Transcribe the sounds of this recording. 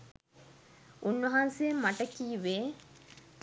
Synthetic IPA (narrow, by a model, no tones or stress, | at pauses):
ʔunːɐɦansejemːɐʈɐkiːʋeː